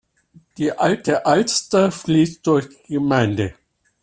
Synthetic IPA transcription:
d̥iːʔaltʰəʔalstɐfliːst̚d̥ʊɐçd̥iɡəmaɪndə

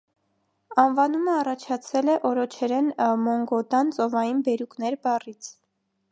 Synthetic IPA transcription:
ɑnvɑnuməɑrɑt͡ʃʰɑt͡sʰɛlɛʔɔɾɔt͡ʃʰɛɾɛnmɔŋɡɔt̪ɑnt͡sɔvɑjinbɛɾuknɛɾbɑrit͡sʰ

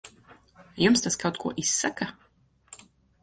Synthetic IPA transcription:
jumst̪askawt̪̚kʰuɔʔisːaka

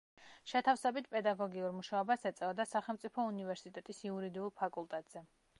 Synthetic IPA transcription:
ʃɛt̪ʰafsɛbit̪̚ʰpʼɛd̪aɡɔɡiuɾmuʃaɔbasɛt̪sʼɛɔd̪asaχɛlˠmt̪sʼipʰɔunivɛɾsit̪ʼɛt̪ʼisiuɾid̪iulˠpʰakʼulˠt̪ʼɛt̪ʼz̥ɛ

